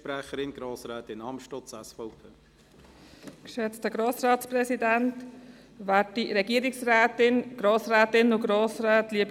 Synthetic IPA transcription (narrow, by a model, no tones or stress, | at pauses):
pɾɛχəɾɪnɡ̥ɾoːsɾɛːt̪ɪnɑmʃtɔsɛsfɔʊpʰeː | kʃɛt͡stəɡɾoːsɾɑːtsprɛsidænt | ʋæːtiɾɛɡiəɾɪksrɛːtɪnɡ̥ɾoːsɾɛːtɪnʊɡɾoːsɾɛːtliəb